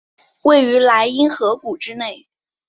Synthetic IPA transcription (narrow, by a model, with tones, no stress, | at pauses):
we˥˩ɪy˧˥la˧˥ɪi˥nxɤ˧˥ku˨˩ʈ͡ʂɻ̩˥ne˥˩ɪ